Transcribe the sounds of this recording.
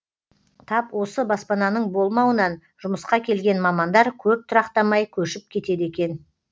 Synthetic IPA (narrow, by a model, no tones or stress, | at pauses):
t̪ʰɑpwo̞səbɑspɑnɑnəɴbo̞lˠmɑwənɑn | ʒ̥ʊməsqɑkʲʰe̞lɡʲe̞nmɑmɑnd̪ɑɾkʲʰɵp̚t̪ʰʊɾɑqt̪ɑmɑjkʲʰɵʃɪp̚kʲʰe̞t̪e̞d̪e̞kʲe̞n